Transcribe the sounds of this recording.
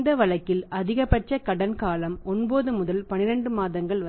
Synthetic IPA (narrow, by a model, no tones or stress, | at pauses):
d̪ɐʋɐɭɐkːɪlɐðɪɣɐpːɐʈt͡ʃɐkɐɽɐnkaːlɐmɔnboːðɯmʊðɐlpɐnɪɾɐɳɖɯmaːðɐŋɡɐɭʋɐ